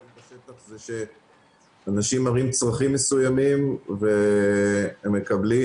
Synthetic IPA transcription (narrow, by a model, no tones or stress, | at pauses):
baʃet̪aχzeʃe̞ | anaʃimaʁimt͡sʁaχimːesujamimve | emːekabli